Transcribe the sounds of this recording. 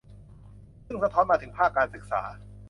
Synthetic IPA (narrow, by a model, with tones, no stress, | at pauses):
sɯ˥˩ŋsa˧t̪ʰɔː˦˥nmaː˧t̪ʰɯ˩˦ŋpʰaː˥˩kːaː˧nsɯ˨˩k̚sa̰ː˩˦